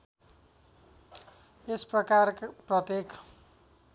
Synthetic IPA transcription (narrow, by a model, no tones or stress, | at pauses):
esprʌkarkprʌt̪jek